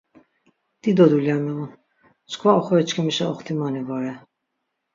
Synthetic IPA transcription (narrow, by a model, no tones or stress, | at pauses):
d̪̥id̪ɔd̪uljamɛun | t͡skʰvaɔχɔɛt͡ʃkʰɛmiʃaɔχt̪ʰimanivɔɾɛ